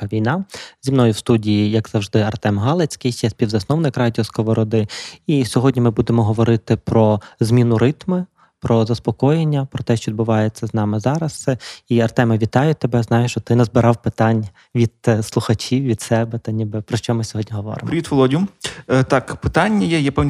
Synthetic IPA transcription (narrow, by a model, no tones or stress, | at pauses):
ʋʲijnɑzʲimnɔjʊwst̪udʲijijɐkz̥ɐwʒd̪ɪɐrt̪ɛmɦɑlˠet͡sʲkɪjʃt͡ʃɛsʲpʲiwzɐsnɔwnɪkɾɑdʲiɔskɔʋɔɾɔd̪ɪisʲɔɦɔdʲnʲimɪbud̪emɔɦɔʋɔɾɪt̪ɪpɾɔzʲmʲinʊɾɪt̪mɪ | pɾɔzɐspɔkɔjenʲːɐpɾɔt̪ɛʃt͡ʃɔʋʲid̪bʊʋɑjet͡sʲːɐznɑmɪzɑɾɐsɛiɐrt̪ɛmɐʋʲit̪ɑjʊt̪ebɛznɑjʊʃt͡ʃɔt̪ɪnɛzbɪɾɑwpɪt̪ɑnʲ | ʋʲid̪̥̚slˠʊxɐt͡ʃiwʋʲid̪sɛbɛt̪ɐnʲibɪpɾɔʃt͡ʃɔmɪsʲɔɦɔdʲnʲiɦɔʋɔ̰ɾɪ̰mpɾʲɪʋʲit̪ʋɔlˠɔdʲiʊt̪ɑkpɪ̥t̪ɑnʲːɐjɛjapɛʋʲ